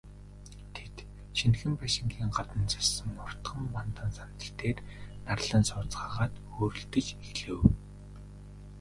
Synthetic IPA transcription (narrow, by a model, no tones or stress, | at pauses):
t̪ʰet̪ | ʃʰinxɘ̆mpaʃɪ̆ŋɡiːŋɢat̪ə̆nt͡sḁsə̆mːʊr̥t̪χə̆mpant̪ə̆nsan̥t̪ə̆ɬt̪eːr | narɮə̆nsʊːt͡sɢaːʁaːt̪ | oːɾɵ̆ɬt̪ɘ̆t͡ɕeɮɘ̆w